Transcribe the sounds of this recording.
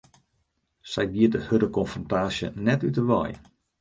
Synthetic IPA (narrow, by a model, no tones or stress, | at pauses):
sɛjʋiətdəhødəkɔnfrɔntaːsjə̰nɛtytəʋɔ̰j